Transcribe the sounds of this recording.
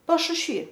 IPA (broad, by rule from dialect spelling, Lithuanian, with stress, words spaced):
pɐʃʊʃʲˈʋʲiː